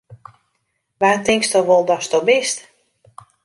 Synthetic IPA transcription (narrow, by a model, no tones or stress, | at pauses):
ʋaːtɪŋkstɔʋolˠdɔstɔbɪst